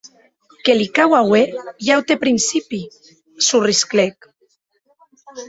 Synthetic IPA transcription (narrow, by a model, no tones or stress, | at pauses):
kelikawawejawt̪epɾinsipi | surisklek